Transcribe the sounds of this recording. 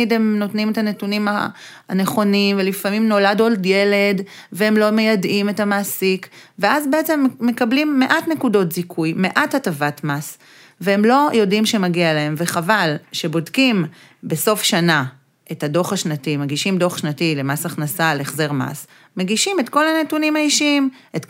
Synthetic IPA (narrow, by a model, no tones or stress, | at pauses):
ide̞mno̞tnimetanetunima | aneχo̞nimvelifamimno̞ladoldje̞le̞d | veemlo̞mejadimetamaːsikveazbeet͡se̞mːe̞kablimːe̞ʔatne̞kudo̞tzikʰujme̞ʔathatavatmas | veemlo̞jo̞dimʃe̞maɡialee̞mveχavalʃe̞bodkim | be̞so̞fʃana | ʔe̞thado̞χaʃnatimeɡiʃimdo̞χʃnatilemasaχnasaleχzeʁma̰s | meɡiʃime̞tko̞lanetunimaiʃim | et